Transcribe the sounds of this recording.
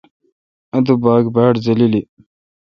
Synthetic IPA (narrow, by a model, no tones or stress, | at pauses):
ɐd̪ubaːɡbaʈzɐlili